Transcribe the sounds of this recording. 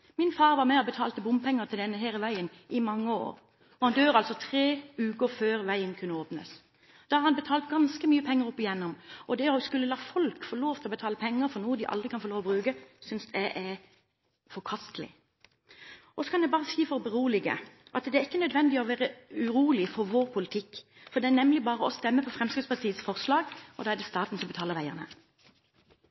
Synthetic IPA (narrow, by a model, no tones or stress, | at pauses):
mɪnfɑːʁʋɑʁmɛɔbət̪ʰɑːlt̪əbʊmpʰɛŋːəɾt̪ʰɪld̪ɛnːəɦeːɾəʋæɪən | ɪmɑŋːəo̰ːɾ | ɔhɑnd̪øːɾɑlsɔt̪ʰʁeːʉːkəføːɾʋæɪənkʰʉnːəoːpnə̰s | d̪̥ɑhɑɾhɑnbət̪ʰɑːlt̪ɡɑnskəmyːəpʰɛŋːəɾɔpːɪjɛnːʊmɔd̪ɛæɾɔskʉlːəlɑːfɔlkfɔloːft̪ʰɪlɔbət̪ʰɑːləpʰɛŋːəɾfɔɾnuːəd̪ɪʔɑ̰ld̪ʁɪkʰɑnfɔloːʋɔbɾʉːɡəsʏnsd̪ɛʔæɾ | fɔʁkʰɑst̪əlɪ̰ | ʔɔsɔ̥kʰɑnɛbɑːʁəsiːfɔɾbəʁuːlɪɡə̰ʔɑt̪d̪ɛæɪkːənœd̪ʋɛnd̪ɪɔʋæːʁəʉʁuːlɪfɔɾʋoːʁpʰʊlɪt̪ʰɪkː | fɔd̪ɛæʁnɛmlɪbɑːʁəɔst̪ɛmːəpʰɔfʁɛmskʁɪspʰɑt̪ʰiːət̪sfɔʁslɑːɡɔd̪ɑːæʁd̪ɛst̪ɑːt̪n̩sɔmbət̪ʰɑːləʁʋæɪə̰ʁnə̰